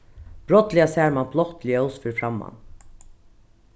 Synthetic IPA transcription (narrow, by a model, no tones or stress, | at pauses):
b̥ɾɔt̪lɪasæɹmablɔht̪lɪɛʊsfʏɹfɹamːa̰n